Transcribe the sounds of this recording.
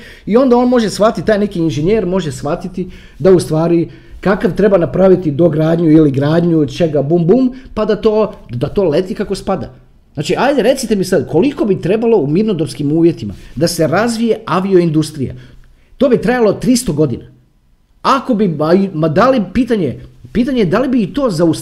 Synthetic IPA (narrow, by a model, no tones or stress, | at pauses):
io̞nd̪ao̞nmo̞ʒesʋat̪itt̪aːjne̞kiːnʒeɲeːɾmo̞ʒesʋat̪it̪i | d̪aust̪ʋaːɾi | kakaʋt̪ɾe̞banapɾaʋit̪id̪o̞ɡɾaːd̪ɲuiliɡɾaːd̪ɲud̪t͡ʃe̞ɡabumbumpad̪at̪oːd̪at̪o̞ːle̞t̪ikako̞spad̪a̰ | znaːt͡ʃiajd̪eɾe̞t̪sit̪e̞misad̪kʰo̞liko̞bit̪ɾe̞balo̞uminod̪oɾskimuːʋje̞t̪ima̰d̪ase̞ɾazʋije̞aʋio̞ind̪ust̪ɾija̰ | t̪o̞ːbit̪ɾajalot̪ɾist̪o̞ɡo̞d̪ina | ako̞biaimad̪alipiːt̪aɲepiːt̪aɲed̪alibiːt̪o̞ːzaus